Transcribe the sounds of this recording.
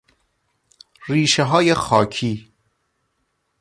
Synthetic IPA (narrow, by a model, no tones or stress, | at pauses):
ɾiːʃeɦɒːjexɒːcʰiː